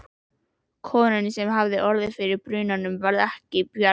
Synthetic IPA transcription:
kʰɔːnɪnɪsɛmɦavðɪʔɔɾðɪfɪɾɪɾpɾʏːnanʏmvaɾðɛhcɪpjœ

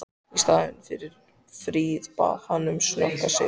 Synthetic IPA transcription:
ist̪aːðʏnfɪɾɪɾ̥ | fɾiːðpa̰hanːʏmsnœhkasɪ

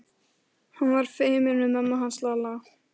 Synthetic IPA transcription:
hanvaɾ̥fejmɪnʏmamːaɦanslala

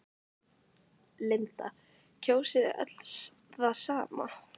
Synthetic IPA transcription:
lɪnt̪a̰ | cʰoːwsɪðɪ̰ʔœ̰t̪l̥s | θasaːma̰

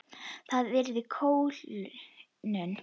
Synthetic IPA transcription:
θaðvɛɾðɪkʰoːwl | nʏn

